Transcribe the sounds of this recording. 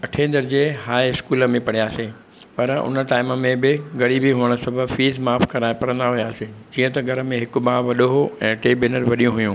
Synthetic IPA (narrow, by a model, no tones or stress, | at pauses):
ɐʈʰẽːnd̪əɾd͡ʑeːɦaːeɪskuːləmẽpɐɽ̤ijaːseː | pɐɾʊ̰nəʈaːɪməmẽbɪɡɐɽibiɦuəɽ̃ə̆sɐbʱəbfiːzmaːfkɐɾaːɪpɐɾə̃nd̪aɦujaːsed͡ʑiːə̃t̪ɐɡʱɐɾə̆mẽɦɪkʊ̆ɓaːʋɐɗoɦoɛ̃ːʈeːbɪnəɾʋɐɗijũɦʊjũ